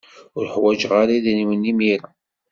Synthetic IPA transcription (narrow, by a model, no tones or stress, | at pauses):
ʊɾħwæd͡ʒʁaɾaðæniwənːimiɾa